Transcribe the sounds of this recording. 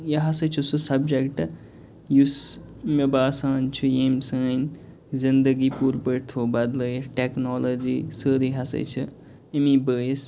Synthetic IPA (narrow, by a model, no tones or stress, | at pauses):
jeɦɐsət͡ʃʰususɐbd͡ʒekʈ | jus | mebaːsaːnt͡ʃʰujemsəːn | zind̪əɡipuːɾpəɾt̪ʰoːbɐd̪ləʈeknoːlod͡ʒisəːɾiɦɐsɐ̰jt͡ʃʰu | emibəːjs